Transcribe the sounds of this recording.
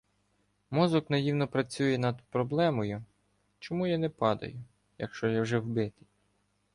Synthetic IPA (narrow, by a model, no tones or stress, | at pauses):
mɔzɔknɐjiwnɔpɾɐt͡sʲujɛnɐd̪pɾɔblˠɛmɔjʊ | t͡ʃɔmujanɛpɑd̪ɐ̰jʊ | jɐ̰kʃt͡ʃɔjawʒɛwbɪt̪ɪ̥